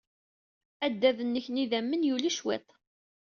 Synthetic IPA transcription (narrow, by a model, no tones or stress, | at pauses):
æd̪ːæðənːəçniðæmːənjuliʃwet̪ˤ